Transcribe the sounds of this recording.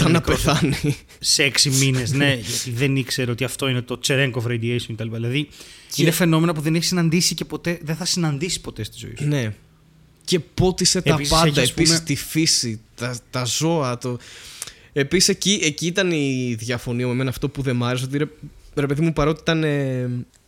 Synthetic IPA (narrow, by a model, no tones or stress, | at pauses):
ɐnɐpeθɐni | seksimineszne̞ʝɐt̪iðenikseɾeot̪iɐft̪o̞inet̪o̞t͡seɾeŋɡovɾejd̪iejsoŋcet̪ɐlipaðilɐðiinefe̞no̞me̞nop̬uðeneçi̥sinɐnd̪isice̞po̞t̪e̞ðeθɐsinɐnd̪isi̥po̞t̪e̞st̪izoḭsne̞ | ce̞po̞t̪ise̞teɐispɐnd̪ɐespissist̪ifisit̪ɐt̪ɐzo̞ɐt̪o | episi̥seciʔeciit̪ɐniðʝɐfo̞niɐmeme̞nɐːft̪o̞puðe̞mɐɾes̬ot̪iɾeɾe̞pe̞ðimupɐɾot̪iit̪ɐne